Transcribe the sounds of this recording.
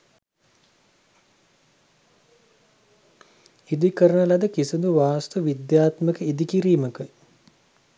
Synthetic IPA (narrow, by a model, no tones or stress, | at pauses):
id̪ikəɾənəlad̪əkisid̪uʋaːst̪uʋid̪jaːt̪məkəid̪ikiɾiːməkə